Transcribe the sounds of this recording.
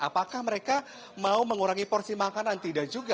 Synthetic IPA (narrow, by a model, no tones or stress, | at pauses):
ʔapakahməɾeka | mauməŋuɾaŋipɔrsimakanant̪idaʔd͡ʒuɡa